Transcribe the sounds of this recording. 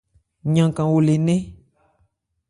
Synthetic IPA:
ɲã˨kã˨wo˨le˨nẽ˦

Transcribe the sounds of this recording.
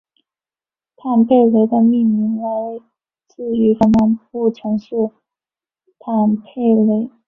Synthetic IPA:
t̪ʰa˥˧npʰe˥˩ɪle˧˥ɪd̪ə˧mi˥˩nmi˧˥ŋja˥˧we˥˧ɪ | t͡sɹ̩˥˩y˧˥ʈ͡ʂə˧˥na˧˥npu˥˩ʈ͡ʂʰɤ˧˥ŋʂɻ̩˥˧ | t̪ʰa˥˩npʰe˥˩ɪle˧˥ɪ

